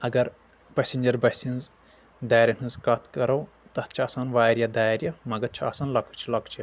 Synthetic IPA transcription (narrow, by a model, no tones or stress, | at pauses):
ɐɡɐɾ | pɐsʲinʲd͡ʒɐɾbɐsĩnz | d̪aːjɾʲɐnʰɨnzkɐt̪ʰkɐɾɐw | t̪ɐt̪t͡ʃʰiɐsanʋaːɾjɐd̪aːjɾʲjɐmɐɡɐɾt͡ʃʰiɐ̰saːnlɐkʰut͡ʃʰilɐkʰt͡ʃʰi